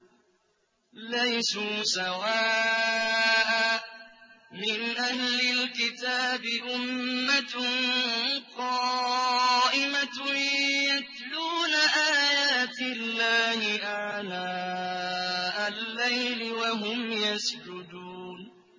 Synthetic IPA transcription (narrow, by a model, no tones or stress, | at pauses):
lajsuːsawaː | ʔaː | mɪnʔahlɪlkɪt̪aːbɪʔʊmːa | qɑː | ʔɪma | jat̪luːnaʔaːjaːt̪ɪlːaːhɪʔaːnaː | ʔalːajlɪwaɦʊmjasd͡ʒʊd̪uːn